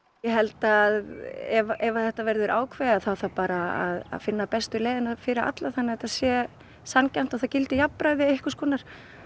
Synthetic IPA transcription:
jɛɦɛlt̪aːðɛvaʔɛvaθɛht̪avɛɾðʏɾʔaːwkʰvɛðaθawθawpaːɾa̰ːða̰ðfɪnːapɛst̪ʏleːjðɪnafɪːɾɪa̰t̪laθanːɪɛt̪aðsjɛ | sancam̥t̪aθacɪlt̪ɪjapːɾajðɪehkʏskɔːnaɾ̥

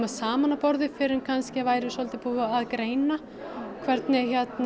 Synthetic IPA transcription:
masaːmanapɔɾðɪfɪɾɪmkʰanscɪavaːjɾɪ̥sɔlt̪ɪpuːvaaðkɾeːjna | kʰvɛɾt̪nɪçɛt̪n

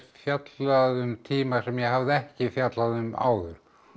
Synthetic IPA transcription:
fjat̪laðʏmt̪ʰiːmasɛmjɛɦavðɪɛhcɪfjat̪laðʏma̰ːwðʏɾ̥

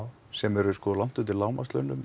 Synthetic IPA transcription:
w | sɛmɛɾʏʏskɔðlan̥t̪ʏt̪ɪlaːwmast̪lœ̰nʏm

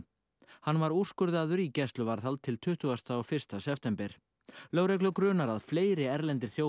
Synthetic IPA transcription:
hanːvaɾur̥skʏɾðɪaːðʏɾicɛst̪lʏvaɾ̥θalt̪ʰɪlt̪ʰʏht̪ʏɣast̪aːwfɪr̥st̪asɛft̪ɛmpɛɾ̥ | lœːwɾɛklʏkɾʏːnaɾaðfleːjɾɪɛɾlɛnt̪ɪɾ̥θjoː

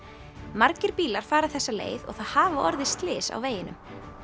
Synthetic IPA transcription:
maɾcɪɾ̥piːlaɾ̥faːɾaθɛsːalḛːjðɔ̰ɣθaðhaːvaʔɔɾðɪst̪lɪːsa̰wveːjɪnʏm

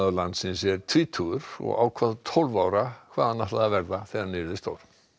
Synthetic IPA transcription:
ðlant̪sɪnsɛɾt̪ʰviːt̪ʰuɣʏɾɔ̰ɣa̰ːwkʰvaːðt̪ʰolvawɾakʰvaːðhanaht̪laðavɛɾðaθɛðanɪɾðɪst̪o̰ːwɾ

